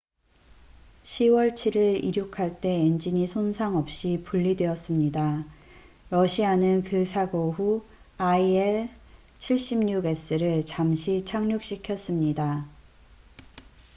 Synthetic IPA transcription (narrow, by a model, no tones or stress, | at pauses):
ɕʰiwʌɭt͡ɕʰiɾɯɾḭɾjukʰaɭt͈e̞end͡ʑiɲisʰonsʰaŋʌp̚ɕ͈ipuɭːidwe̞ʌs͈ɯmɲida | ɾʌɕʰianɯnkɯsʰaɡoɦu | aieɭ | t͡ɕʰiɭɕ͈imɲuɡe̞s͈ɯɾɯɭt͡ɕamɕʰit͡ɕʰaŋɲok̚ɕ͈ikʰjʌs͈ɯmɲida